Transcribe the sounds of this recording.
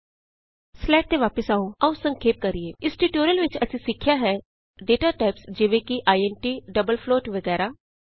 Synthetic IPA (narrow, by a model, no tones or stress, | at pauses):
slɛːʈ̚t̪eːʋaːpəsaːõːaũsə̃ŋkʰeːp̚kəɾieːɪsʈiʈoːɾəlʋɪt͡ʃəsĩːsɪkʰːɪjaːɦɛː | ɖeːʈaːʈaːɪpsd͡ʒɪʋẽːkiʔaːiɛːnʈiːɖəbəlpʰloːʈʋəɡɛːɾaː